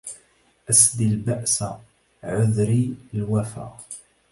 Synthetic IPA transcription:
ʔæsd̪ilbaʔsæ | ʕʊðɾilwæfæ̰

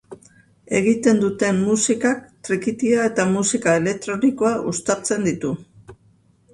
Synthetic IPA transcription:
e̞ɣ̞it̪e̞nd̪ut̪e̞mːusikak̚t̪ɾikit̪iae̞t̪amusikae̞le̞k̚t̪ɾo̞niko̞aʔust̪at͡se̞nd̪it̪u

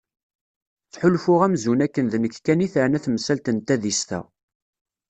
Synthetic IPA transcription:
θħʊlfʊʁæmzunækːənðnəkːkːæniθɾnæθməsælt̪ənt̪æðist̪æ̰

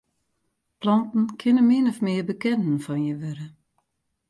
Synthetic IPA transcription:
plɔntn̩kʰɪnəmɪnɔfmɪəbəkɛnn̩fɔnjəʋøɾə

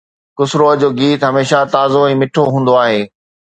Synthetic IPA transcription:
kʊsɾod͡ʑoːɡiːt̪ɦɐmeːʃat̪aːzoɛ̃ːmɪʈʰoɦũːn̆d̪oaːɦeː

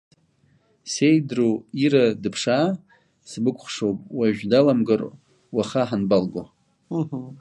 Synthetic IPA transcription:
sejdroiɾadɨpʰʂa | sbɨkʷʰʼχʷʂopʼwaʒᶣdalamɡɨr | waχaħanbalɡʷo

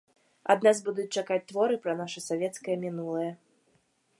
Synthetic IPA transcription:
a̰d̪nazbud̪ut͡sʲt͡ʂakat͡sʲt̪vɔɾɨpɾɐnaʂɐsavʲɛt̪skɐjɐmʲinulˠɐjɐ

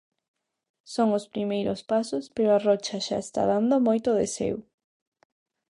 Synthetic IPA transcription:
soŋospɾimejɾospasospeɾoarɔt͡ʃaʃa̰est̪a̰ðand̪omojt̪oðesḛw

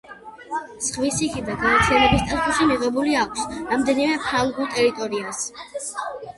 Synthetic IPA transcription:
sχvisikʰid̪aɡaɾt̪sʰianɛbist̪ʼaspuʃimiʁɛbuliakʷʰsɾamd̪ɛnimɛpʰalˠɡulˠt̪ʼɛɾit̪ʼɔɾias

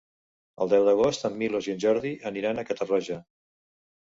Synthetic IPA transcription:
əlˠd̪ɛwðəɣost̪əmːilozjənʲʒɔɾðiʔəniɾanəkət̪əraʒə

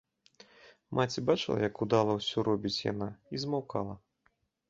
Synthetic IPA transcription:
mʔat͡sʲibat͡ʂɨlˠɐ̰jɐkud̪alˠɐwsʲɔɾɔbʲit͡sʲja̰naizmawkalˠɐ

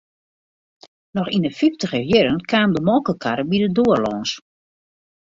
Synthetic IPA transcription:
nɔxindəfiftəɣəjɪɾənkʰaːmdəmɔlˠkəkʰaɾəbidədoərlɔːns

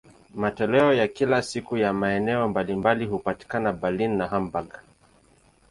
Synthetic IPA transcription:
matɔlɛɔjakilasikujamaɛnɛɔmbalimbalihupati̥kanabalinːaɦambaɡa

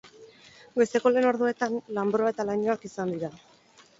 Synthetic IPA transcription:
ɡe̞st̪e̞ko̞le̞ːno̞ɾðue̞t̪anlambɾo̞ae̞t̪alaɲo̞akisand̪iɾa

